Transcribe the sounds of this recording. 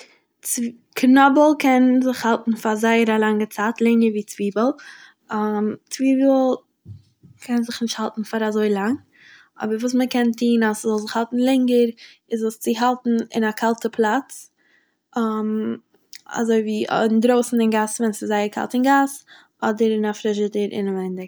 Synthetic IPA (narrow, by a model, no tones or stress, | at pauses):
t͡s | knɔbəl̩ˠkʰɛnzɪχhalˠtn̩fazaɪəɾalˠaŋət͡saːtlˠɛŋəɾviːt͡sviːbəlˠ | amt͡sviːbl̩ˠ | kʰɛnzɪχnɪʃthalˠtn̩faɾazoɪlˠaŋ | ɔ̰bəɾvuːs̬məkɛntʰiːnaszɔlˠzɪχhalˠtn̩lˠɛŋəɾ | ɪzəst͡sɪɦalˠtn̩ɪ̰nakʰalˠtəpʰlˠat͡s | m | a̰zoɪvḭːɪndɾoʊsn̩ɪnɡasvɛnsɪzaɪəɾkʰa̰lˠtɪnɡas | ɔdəɾɪnafɾɪʃədəɾɪ̰namɛndɪk